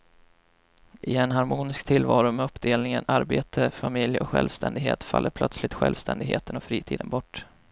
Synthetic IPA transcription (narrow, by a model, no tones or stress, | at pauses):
ʔɪɛnɦaɾmuːnɪskt̪ʰɪlːvɑːɾʊmɛɵpːd̪eːlnɪŋənaɾbeːt̪ʰəfamɪljɔkɧɛ̰lvst̪ɛnd̪ɪɡɦḛːt̪fa̰lːəɾpʰlœt̪slɪt̪ɧɛlvst̪ʰɛnd̪ɪɡɦeːt̪ənɔfɾiːt̪ʰḭːd̪ə̰nbɔʈː